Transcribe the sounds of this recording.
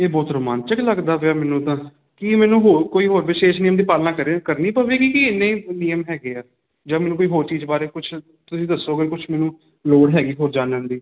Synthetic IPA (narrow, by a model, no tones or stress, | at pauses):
eːbɔːt̪ɾəma̰ːnt͡ʃəkləɡd̪aːʋaːmɛːnũːt̪ãː | kimɛːnũːɦoːɾkoːiːɦoːɾʋɪʃeːʃniːjəmd̪iːpaːlnaːkəɾkəɾniːpəʋeːɡiːkiɪnːẽniːəmɦɛːɡeːaː | d͡ʒãːmɛːnũːkoːiːɦoːɾt͡ʃiːzbaːɾeːkʊt͡ʃʰ | t̪ʊsĩːd̪əsːoːɡekʊt͡ʃʰmɛːnũː | loːɽɦɛːɡiːɦoːɾd͡ʒaːnʊ̃nd̪iː